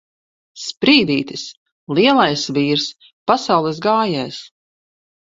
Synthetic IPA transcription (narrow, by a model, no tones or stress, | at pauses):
spɾiːd̪iːt̪is | lˠiɛlˠajsviːɾs | pasawlˠɛsɡaːjɛjs